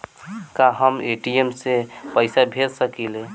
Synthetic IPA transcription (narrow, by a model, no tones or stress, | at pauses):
kaɦəmeʈiemsepəɪsabʱelsəkile